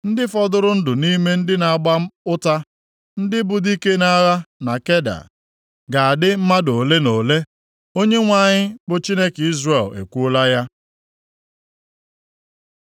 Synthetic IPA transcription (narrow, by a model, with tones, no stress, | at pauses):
n̩˦dɪ˦fɔ˦dʊ˦ɾʊ˦n̩˦dʊ˨ni˦me˦n̩˦dɪ˦na˨a˨ɡ͡ba˦ʊ˦ta˦ | n̩˦dɪ˦bʊ˨di˦ke˦na˦ɣa˦na˨ke˦da̰˨ | ɡa˨a˨dɪ˦m̩˦ma˦do˨le˦no˨le˦ | o˦ɲe˦ŋʷa˨ɲɪ˦bʊ˨t͡ʃi˦ne˦ki˦zre˨lḛ˨kʷu˦la˦ja˦